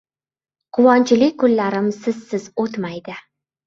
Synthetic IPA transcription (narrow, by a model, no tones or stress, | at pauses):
qʰʊwɒnt͡ʃʰɪlɪkʲkʊlːaɾɪmsɪzsɪzot̪majd̪ɪ